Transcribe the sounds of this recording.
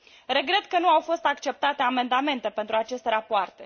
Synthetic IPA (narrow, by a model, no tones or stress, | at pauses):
re̞ɡɾe̞t̪kənuawfo̞st̪akt͡ʃe̞p̚t̪at̪e̞ame̞nd̪ame̞nt̪e̞pe̞nt̪ɾuat͡ʃe̞st̪eɾapoart̪e̞